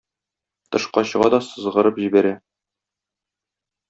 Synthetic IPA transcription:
t̪ɤ̆ʃqɑɕɤ̆ʁɑd̪ɒsɤ̆zʁɤ̆ɾɤpʑibæɾæ

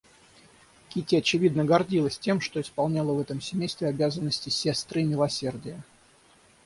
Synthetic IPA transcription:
kʲitʲɪɐt͡ɕɪvʲid̪nəɡɐrdʲilˠəsʲtʲe̞mʂt̪o̞ɪspɐlˠnʲalˠəvɛt̪əmsʲɪmʲejst̪vʲɪɐbʲazənːəsʲtʲɪsʲe̞st̪ɾɨɪmʲɪlˠɐsʲe̞rdʲɪjə

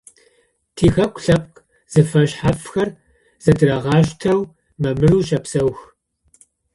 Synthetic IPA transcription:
tʰiːxɐkʷʼɬɐp̚qʼ | z̥ɨfɐɕħafxɐr | z̥ɐdɨrɐʁɑːʃtʰɐw | mɐmɨruːɕɐpsɐwx

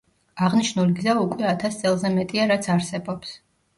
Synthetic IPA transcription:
aʁniʃnuliɡzaukʼwɛat̪ʰast̪sʼɛlˠzɛmɛt̪ʼiaɾat̪sʰaɾsɛbɔps

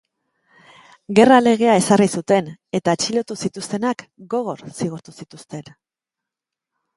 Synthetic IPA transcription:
ɡe̞rale̞ɣ̞e̞ae̞sarisut̪e̞ne̞t̪aet͡ʃilo̞t̪usit̪ust̪e̞nakɡo̞ɣ̞o̞ɾsiɣ̞uɾt̪usit̪ust̪e̞n

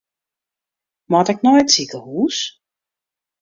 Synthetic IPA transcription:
mɔtɛk̚nɔjtsikəhuːs

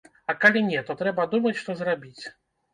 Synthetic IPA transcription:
ɐkalʲinʲɛt̪ɔt̪ɾɛbɐd̪umɐt͡sʲʂt̪ɔzrabʲit͡sʲ

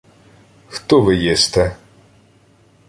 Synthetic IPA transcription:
xt̪ɔʋɪjist̪ɛ

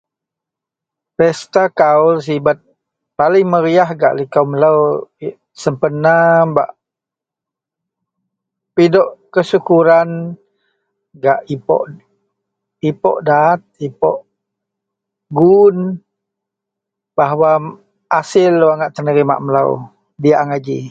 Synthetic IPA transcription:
pɛst̪akauls̬ibat̪̚ | palɪŋməɾiaɦɡa̰ʔlikawməlaw | səmpənaba̰ʔ | pidɔʔkəsukuɾan | ɡaʔipɔ̰ʔ | ipɔ̰ʔdat̪̚ipɔʔ | ɡun | baɦwa | asɪlːuwaŋaʔt̪ənəɾima̰ʔməla̰w | diaʔaŋad͡ʒḭ

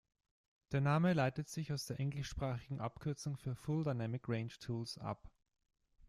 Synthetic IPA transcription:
d̥eːɐnaːməlaɪtətz̥ɪçaʊsd̥eːɐʔɛŋlɪʃʃpʁ̥aːχɪɡŋ̩ʔapkʰʏɐt͡sʊŋfyːɐfʊldaɪnɛmɪkʁeɪnt͡ʃtʰuːlsʔa̰p

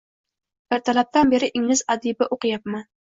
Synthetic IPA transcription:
b̥ɪɾt̪ʰalap̚t̪anbeɾɪʔɪŋlɪzad̪ibɪʔoqɨjɑp̚mɪ

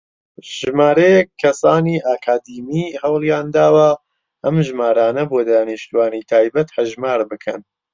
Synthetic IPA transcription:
ʒɨmaːɾɐjɛkʰːɐsaːniːʔaːkʰaːd̪iːmiːhɐwlˠjaːnd̪aːwɐ | ʔɐmʒmaːɾaːnɐboːd̪aːniʃt̪uwaːnit̪ʰaːjbɐt̪hɐʒmaːɾbɨkʰɐ̰n

